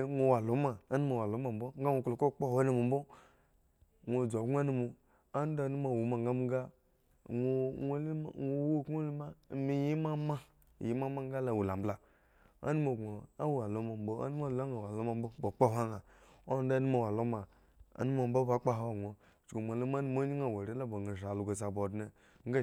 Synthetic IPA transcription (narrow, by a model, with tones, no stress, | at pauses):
ŋʷo˨wa˨lo˨˦ma˨a˦nu˦ma˨wa˨lo˨˦ma˨m̩˦bo˦ŋ˦ɡa˦ŋʷo˨klo˨ko˦˨k͡po˦ho˦nu˦mu˨m̩˦bo˦ | ŋʷo˨d͡zo˨ɡʷa˦nu˦mu˨ | a˦n˦da˦nu˦ma˨wu˨ma˨ŋɡa˦mu˦ŋ˦ɡa˦ | ŋo˨˦ŋʷo˨˦li˦˨ŋo˨wo˦˨ko˦li˦ma˦˨˦mi˨ji˦ma˦ma˦˨ | ji˦ma˦ma˦ŋ˦a˦la˨wu˨la˨m˨bla˨ | a̰˦nu˦mo˨ɡo˨a˦wu˨a˨lo˦ma˨m˦bo˦a̰˦ni˦ma˦˨la˦ŋa˨wa˨lo˦ma˨m̩˦bo˦bo˨k͡pa˦ɦʷa˦ŋa˨o˦n˦da˦nu˦ma˨wa˨lo˦ma˨ | a̰˨˦nu˦ma˨m̩bo˦ba˦k͡pa˦ɦo˦˨ɡʷo˨ | t͡ʃko˨mʷ˨a˨lo˦ma˦nu˦m˦o˦ɲi˦ŋa˨wa˨ɾi˦la˦bo˨ɡa˨ʃa˨lo˨ɡa˨sa˨bo˨dne˨ | ŋ̩˦ɡa˦